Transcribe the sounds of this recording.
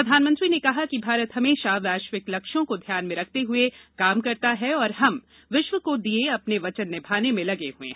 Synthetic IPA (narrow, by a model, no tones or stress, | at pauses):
pɾɐd̪ʱaːnmɐ̃nt̪ɾinekɐɦakibʱaːɾət̪ɦɐmeːʃaʋaːʃʋɪklɐkʃõkod̪ʱjaːnmẽɾɐk̚ʰt̪eɦʊekaːmkɐɾt̪aɦɛɔːɾɦɐm | ʋɪʃʋəkod̪ieɐpneʋɐt͡ʃənːẽbʱaːnemẽlɐɡeɦuḛ̃